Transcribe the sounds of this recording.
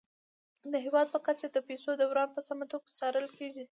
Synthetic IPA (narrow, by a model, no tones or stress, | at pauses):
d̪əɦewɑd̪̚pəkat͡ʃad̪əpesod̪awɾɑnpəsamat̪oɡasɑɾəlkeʒi